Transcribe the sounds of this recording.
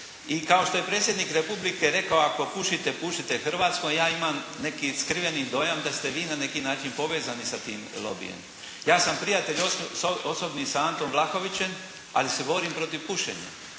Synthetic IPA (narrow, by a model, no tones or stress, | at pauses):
ikao̞ʃt̪o̞je̞pɾeːt̪sʲjed̪nikɾe̞publikeɾe̞kaoako̞puʃit̪epuʃit̪e̞xrʋaːt̪skojjaːimamne̞kiskɾiʋenid̪o̞ːjamd̪ast̪e̞ʋiːnane̞kinaːt͡ʃinpo̞ʋe̞ːzanisat̪iːmlˠo̰bḭjḛm | jaːsampɾijat̪eʎoosobnisaant̪omʋlˠaxo̞ʋit͡ɕe̞m | a̰lisebo̞ːɾimpɾo̞t̪iʋpuʃḛɲa̰